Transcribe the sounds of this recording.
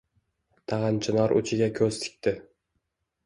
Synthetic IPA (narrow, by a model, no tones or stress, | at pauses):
t̪ʰɑʁɑnt͡ʃʰɪnɒɾʔʊ̰t͡ʃʰɪɡʲakʲʰɵz̥t̪ʰɪ̥k̚ʲt̪ɪ